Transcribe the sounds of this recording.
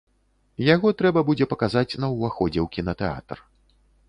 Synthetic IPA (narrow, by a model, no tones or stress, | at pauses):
jaɣɔt̪ɾɛbɐbud͡zʲɛpɐkazat͡sʲn̪ɐwvaxɔd͡zʲɛwkʲinɐt̪ɛa̰t̪r